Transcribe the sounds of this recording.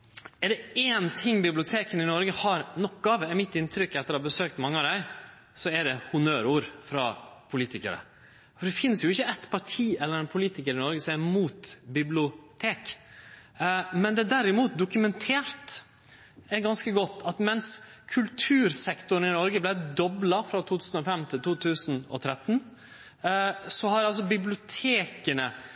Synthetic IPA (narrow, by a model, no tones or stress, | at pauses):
ɛɖɛeːnt̪ʰɪŋːbɪblɪʊt̪ʰeːkənɪnɔɾɡəhɑɾnɔkːɑʋɛmɪt̪ːɪnt̪ʰɾʏkːɑt̪̚ɛhɑbəsøːkt̪mɑŋːəɑd̪æɪ | sɔɛɖɛhʊnøːɾuːɾfɾɑpʰʊliːt̪ɪkə̰ɾə̰ | fɔɖ̪ɛfɪnːsjʊɪçːəɛt̪pʰɑʈʰiːɛlːəɾɛnpʰʊliːt̪ɪkəɾɪnɔɾɡəsɔmæmuːt̪bɪblɪʊt̪ʰeːk | mɛnd̪ɛd̪æɾɪmuːt̪̚d̪ʊkʉmɛnt̪ʰeːɾt̪ | ɛɡɑnskəɡɔt̪ːɑt̪mɛns | kʰʉlt̪ʰʉːɾsɛkt̪ʊn̩ɪnɔɾɡəblæɪd̪ɔblɑfɾɑt̪ʰuːt̪ʰʉːsn̩ɔfɛmt̪ʰɪlt̪ʰuːt̪ʰʉːsənɔ̰t̪ʰɾɛt̪ːn | sɔhɑɾɑls̬ɔbɪblɪʊt̪ʰeːkənə